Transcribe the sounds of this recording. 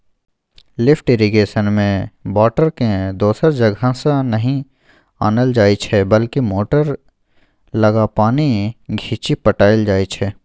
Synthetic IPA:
lɪfʰʈeɾiɡeːʃənmẽbɔːʈəɾkẽd̪oːsəɾd͡ʒɐɡʱãsanɐɦĩ | aːnəld͡ʒaːit͡ʃʰɛbəlkimoːʈəɾ | lɐɡapaːniɡʱiːt͡ʃipəʈaːɪld͡ʒaːit͡ʃʰɛː

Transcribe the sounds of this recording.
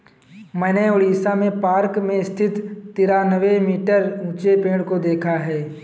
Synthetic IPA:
mɛ̃ːneoːɽiːsamẽpaːɾkmẽst̪ʰɪt̪t̪ːiːɾanəʋemiːʈəɾũːt͡ʃepẽːɽkod̪eːkʰaɦɛː

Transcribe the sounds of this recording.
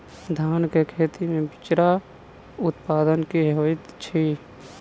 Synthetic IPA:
d̪ʱaːnkekʰeːt̪imẽbɪt͡ʃɾa | ʊt̪paːd̪ənkiɦɦoːɪt̪t͡ʃʰi

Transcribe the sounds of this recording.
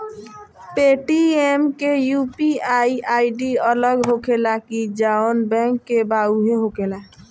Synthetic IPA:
peʈiemkejupiaiaiɖiələɡɦokʰelakid͡ʒaonbɛ̃ŋkːebauɦeɦokela

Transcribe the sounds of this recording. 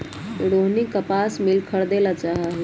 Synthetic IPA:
ɽoɦnikəpasmilkʰəɾd̪elat͡ʃaɦəɦi

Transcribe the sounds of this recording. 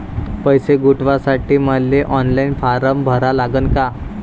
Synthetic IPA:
pəjseɡuʈʋasaʈiːməlːeʔɔnlainfaɾəmbʱəɾalaɡənka

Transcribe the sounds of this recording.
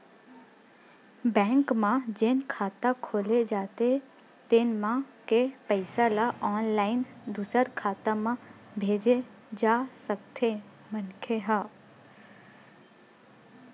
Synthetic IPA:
bɛ̃ːŋkmãd͡ʒɪnkʰaːt̪akʰoːled͡ʒaːt̪e | t̪ɪnmãkepəɪsalaʔɔːnlaːɪnd̪usəɾkʰaːt̪ãmã | bʱeːd͡ʒe | d͡ʒaːsək̚t̪ʰe | mənkʰeɦãː

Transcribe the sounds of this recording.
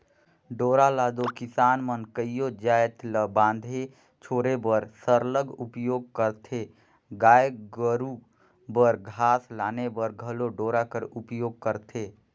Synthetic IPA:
ɖoːɾalaːd̪okɪsaːnmənkəijod͡ʒaːjt̪ləbãːnd̪ʱe | t͡ʃʰoːɾebəɾsəɾləɡupjoːɡ̚kəɾt̪ʰe | ɡaːjɡəɾu | bəɾɡʱaːslaːnebəɾɡʱəloɖoːɾakəɾupjoːɡ̚kəɾt̪ʰe

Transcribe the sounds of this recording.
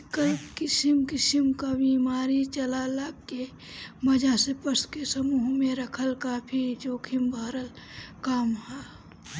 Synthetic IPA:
kəlkɪsɪmkɪsɪmkabiːmaːɾit͡ʃɐlaːlakke | mɐd͡ʒasepəɾskesəmuːɦmẽɾəkʰəlkaːpʰid͡ʒoːkʰɪmbʱaːɾəl | kaːmɦaː

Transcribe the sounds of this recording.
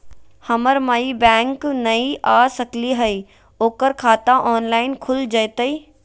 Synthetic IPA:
hɐməɾmaibɛ̃ːŋknɐiʔaːsəkliɦɐi | oːkəɾkʰaːt̪ãʔɔːnlaːɪnkʰʊld͡ʒəjt̪əi

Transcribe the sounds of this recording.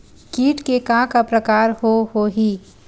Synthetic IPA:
kiːʈkekãːkapɾəkaːɾɦoɦoɦiː

